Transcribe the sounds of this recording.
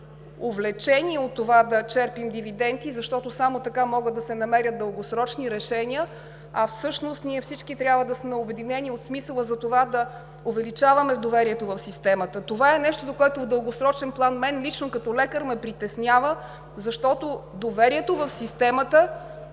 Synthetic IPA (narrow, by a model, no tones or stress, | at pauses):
ovlɛt͡ʃɛnʲiɛot̪ːovad̪ɐt͡ʃɛɾpimd̪ivid̪ɛnt̪izɐʃt̪ɔt̪osamot̪ɐkamɔɡət̪̚d̪ɐsɛnɐmɛɾʲət̪̚d̪əlˠɡosɾɔt͡ʃniɾɛʃɛniə | ɐfsɤʃnost̪niɛfsit͡ʃkit̪ɾʲabvəd̪ɐsmɛobɛd̪inɛnʲiot̪smisəlˠəzɐt̪ovad̪ɐ | ovɛlit͡ʃavɐmɛvd̪ovɛɾiɛt̪ovɐfsist̪ɛmət̪ət̪ovaɛnɛʃt̪od̪okoɛt̪ovd̪əlˠɡosɾɔt͡ʃɛnplˠanmɛnlit͡ʃnokɐt̪ɔlɛkəɾmɛpɾit̪ɛsnʲjavə | zɐʃt̪ɔt̪od̪ovɛɾiɛt̪ovɐfsist̪ɛmət̪ə